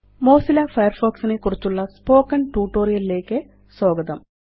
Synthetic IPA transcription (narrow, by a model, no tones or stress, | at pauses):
mo̞ːsilɐfɐjɐrfoːksinekurit͡ɕːuɭːɐspo̞ːkːɐnʈuːʈːo̞ːɾijɐlile̞ːkːɨ | so̞ːɡɐd̪ɐm